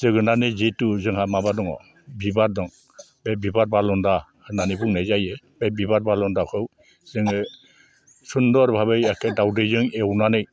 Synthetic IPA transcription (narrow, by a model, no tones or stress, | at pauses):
zɯɡɯnanɯzetuzɯŋhamabadɔŋɔ̰ | bibaɾ̚dɔŋ | bebibaɾ̚balɔnda | nanibuŋnajzajɯ | bebibat̚balɔndakʰɯw | z̥ɯŋɯ | sundɔɾbʱabɯjakʰedawdɯjzɯŋewnanɯj